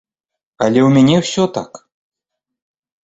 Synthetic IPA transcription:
alʲɛwmʲanʲɛwsʲɔt̪a̰k

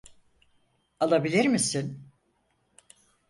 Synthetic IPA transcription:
alˠabilʲiɾmisin

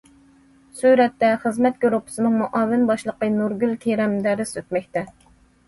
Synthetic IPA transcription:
syɾɛt̪ːɛχəzmɛt̪̚ɡʲoɾupʰːɨ̥sɨnɨŋmuʔɑːwɪnbɑʃlˠəqənuɾɡʲylk̪ʲʰeɾɛmd̪æɾɪsøt̪mɛkʲt̪ɛ

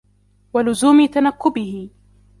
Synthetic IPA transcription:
walʊzuːmɪt̪anakːʊbɪhɪ

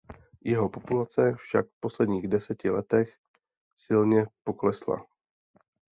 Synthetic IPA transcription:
jɛɦo̞po̞pulat͡sɛfʃa̰kfpo̞slɛdɲiːɣdɛsɛcɪlɛt̪ɛx | sɪlɲɛpo̞klɛsla̰

